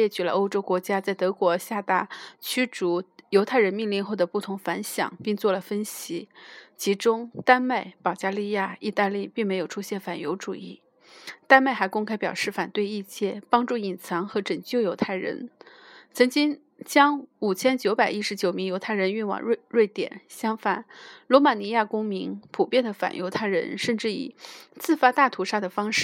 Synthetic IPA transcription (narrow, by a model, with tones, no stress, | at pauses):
ɛ˥˩t͡ɕy˨˩lə̰˦o˥ʊʈ͡ʂo˥ʊkwɔ˧˥t͡ɕja˥t͡sa˥˩ɪt̪ɤ˧˥kwɔ˧˥ɕja˥˧t̪a˥˩t͡ɕʰy˥ʈ͡ʂu˧˥jo˧˥ʊt̪ʰa˥˩ɪɻə˧˥nmi˥˧ŋli˥˧nxo˥˩ʊd̪ə˩pu˥˩t̪ʰʊ˧˥ŋfa˧˥nɕjɑ̰˨˩˦ŋpi˥˧ŋt͡swɔ˥˩lə˩fə˥nɕi˧˥t͡ɕʰi˧˥ʈ͡ʂʊ˥ŋt̪a˥nma˥˩ɪpɑ˨˩ʊt͡ɕja˥li˥˧ja˥˩i˥˧t̪a˥˧li˥˧pi˥˩ŋme˧˥ɪjo˨˩ʊʈ͡ʂʰu˥ɕjɛ˥˩nfa˨˩njo˧˥ʊʈ͡ʂṵ˨˩ḭ˥˩ | t̪a˥nma˥˩ɪxa˧˥ɪkʊ˥ŋkʰa˥ɪpjɑ˨˩ʊʂɻ̩˥˩fa˨˩nt̪we˥˧ɪi˥˧t͡ɕjɛ˥˩pɑ˥ŋʈ͡ʂu˥˩i˨˩nt͡sʰɑ˧˥ŋxɤ˧˥ʈ͡ʂə˨˩ŋt͡ɕjo˥˩ʊjo˧˥ʊt̪ʰa˥˩ɪɻə̰˧˥nt͡sʰɤ˧˥ŋt͡ɕi˥ŋ | t͡ɕjɑ˥ŋu˨˩t͡ɕʰjɛ˥nt͡ɕjo˧˥ʊpa˨˩ɪi˥ʂɻ̩˧˥t͡ɕjo˨˩ʊmi˧˥ŋjo˧˥ʊt̪ʰa˥˩ɪə˧˥ny˥˩nwɑ̰˨˩ŋ˥˧ɻwe˥˩ɪt̪jɛ̰˨˩˦nɕjɑ˥ŋfa˨˩nlwɔ˧˥ma˨˩ni˧˥ja˥˩kʊ˥ŋmi˧˥ŋpʰu˨˩pjɛ˥nd̪ə˩fa̰˨˩njo̰˧˥ʊt̪ʰa˥˩ɪɻə̰˧˥nʂə˥˧nʈ͡ʂɻ̩˥˩ḭ˨˩t͡sɹ̩˥˩fa˥t̪a˥˩t̪ʰu˧˥ʂa˥d̪ə˨fɑ˥ŋʂɻ̩˥˩